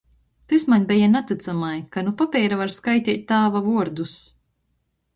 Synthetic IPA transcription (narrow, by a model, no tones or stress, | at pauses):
t̪ɨsmaɲʲbʲɛjanat̪ɨt̪samajkanupapʲɛːɾavaɾskajt̪ʲiːt̪̚ʲːaːvavuɔɾd̪us